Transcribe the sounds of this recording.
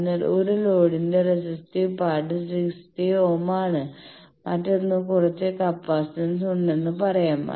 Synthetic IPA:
nːɐoɾulo̞ːɽinderesɐstipaːʈɨsikstio̞ːmaːɳɨ | mɐtːonːɨkurɐt͡ɕːekɐpːaːstɐnsuɳɖe̞nːɨpɐrɐjaːma̰

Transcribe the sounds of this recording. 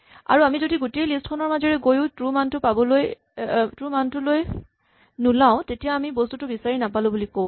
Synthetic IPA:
a̰ɹuamizodiɡutejlistkʰɔnɔɹmazɔɹɛɡojʊ̃tɹumantʊpabɔloj | tɹumantʊloj | nulaʊ̃tetijaːmibɔstutʊbisaɹinapalʊ̃bulikõw̃

